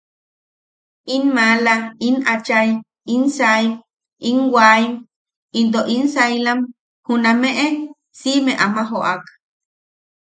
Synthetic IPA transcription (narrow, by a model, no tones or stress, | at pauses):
inmalainat͡ʃaim | insaim | iŋwaim | int̪̬oʔinsailam | hunameʔe | simeʔamaɦoʔak